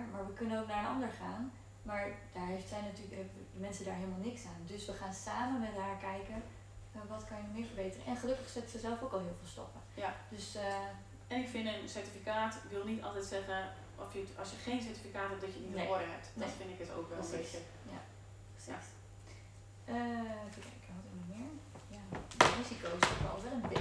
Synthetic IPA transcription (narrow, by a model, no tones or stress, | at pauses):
maːɹʋəkɵnənowknaːɹənɑ̰ndəɹχaːn | maːɹd̥aːɹɦejftsɛjnatyɦɛbədəmɛnsədaːɹɦeɪlˠmalˠnɪksaːndɵsʋəχaːnsaːmənmɛtɦaːɹkɛjkənː | ʋɑtkɑnjənɔmɪːɹvəɹbejtərə̰ʔɛnχəlɵkəχsɛtsəzɛlˠfowkɑlˠɦɪːlˠvɪːlˠstɔ̰pə | jd̥ɵs | ɛnɪkfɪnənsɛɹtifikaːtʋɪlˠnitɑ̰lˠtɛjtsɛχən | ʔɔfjəɑsjəχejns̬ɛɹtifikaːtɦɛp̚dɑtjənitoədəɦɛp̚tnɛtfɪndɪkəto̰wkʋɛləsisə | ja̰ | prəss | əfəkɛjkəɔtɦɪmɔmɪːɹ | jadərizikowsɔkʋə̰ɔ̰lˠʋɛlˠənbɪ